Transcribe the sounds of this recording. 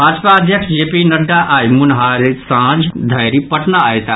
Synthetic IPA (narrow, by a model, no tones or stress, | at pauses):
bʱaːd͡ʒpaəd̪ʱjəkʂd͡ʒeːpinɐɖːaʔaːjmʊnɦaːɾisãːd͡ʒd̪ʱɐjɾipɐʈnaaːjt̪aː